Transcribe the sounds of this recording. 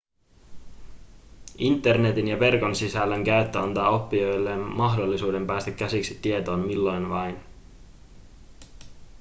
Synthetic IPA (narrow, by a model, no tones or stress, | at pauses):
int̪ːe̞rne̞t̪injɑʋe̞rko̞nsisælːæŋkæyt̪ːøɑnt̪ɑːo̞pːio̞jlːenmɑɦdo̞lːisuːde̞mpæːst̪æk̟ːæsiksi̥t̪ːie̞t̪o̞ːmmilːo̞jnʋɑjn